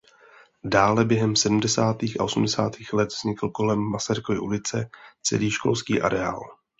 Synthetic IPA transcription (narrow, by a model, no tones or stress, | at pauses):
daːlɛbjɛɦɛmsɛdm̩dɛsaːt̪iːxa̰ʔo̞sum̩dɛsaːt̪iːxlɛt̪vz̥ɲɪkl̩ko̞lɛmːasaɾɪkovɪʔulɪt͡sɛt͡sɛ̰liːʃko̞̰lskiːʔa̰ɾɛa̰ːl